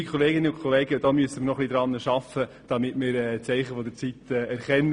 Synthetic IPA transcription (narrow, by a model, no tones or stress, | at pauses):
ikʰχoleːɡɪnəʊnkʰoleːɡəd̥̪ɑːmyəsəmɪɾnɔχlid̪ɾɑnːəʃɑfə | d̥ɑmɪtmɪːɾɛt͡sɛɪχəfɔd̪ət͡sit̪ɛːɛɾχɛnː